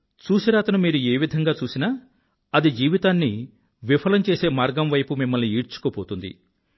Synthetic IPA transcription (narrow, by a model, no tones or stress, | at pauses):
t͡ʃuːsiɾaːt̪ɐnumiːɾueːʋid̪ʱɐŋɡaːt͡ʃuːsinaː | ɐd̪id͡ʒiːʋit̪aːnːi | ʋipʰɐlɐmt͡ʃe̞ːse̞ːmaːɾɡɐmʋɐjpumimːɐlniiːɽt͡ʃu̥koːpoːt̪und̪ḭ